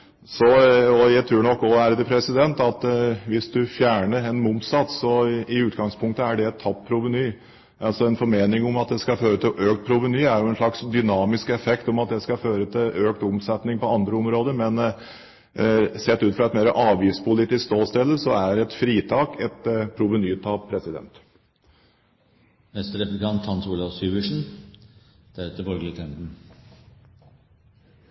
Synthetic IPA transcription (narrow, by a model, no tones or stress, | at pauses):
sɔɔjæɪt̪ʰɾʉːɳɔkːɔæɾd̪əpʰɾɛsɪd̪ɛnt̪ɑt̪ʋɪsd̪ʉfjæːɳəɾɛnmʊmpsɑt̪sɔɪʉːt̪ɡɑŋspʰʊŋk̚t̪əæɖɛɛt̪ʰːɑppʰɾʊʋənyː | ɑlsɔɛnfɔɾmeːnɪŋʊmɑt̪̚d̪ɛskɑføːɾət̪ʰɪlʔøːkt̪̚pʰɾʊʋənyːæɾjʊɛnʂlɭɑksd̪ʏnɑːmɪskɛfɛkt̪ɔmɑt̪̚d̪ɛskɑføːɾət̪ʰɪløːkt̪ʊmsɛt̪nɪŋpɔɑnd̪ɾəʊmɾoːd̪əɾmɛn | sɛːt̪ːʉːt̪fɾɑɛt̪meːɾəʔɑːʋjiːspʰʊliːt̪ɪskst̪oːst̪ɛlːəsɔæɾɛt̪fɾiːt̪ʰɑːkɛt̪pʰɾʊʋənyːt̪ʰɑːʋpʰɾɛsɪd̪ɛ̰nt̪ | mɛst̪əɾɛpʉlɪk̪ʰɑnt̪hɑnsuːlɑʋsyːʋəʂɳn̩ | d̪̥æɾʉːt̪əbɔɾɡəlɪk̪ʰɛnd̪n̩